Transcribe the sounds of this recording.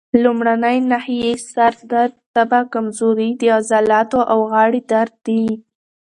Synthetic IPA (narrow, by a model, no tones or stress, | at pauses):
lumɽanəjnahjesaɾt̪d̪aɾd̪t̪abakamzoɾid̪əjazɑlɑt̪oʔawɣɑɽid̪aɾd̪̚d̪ii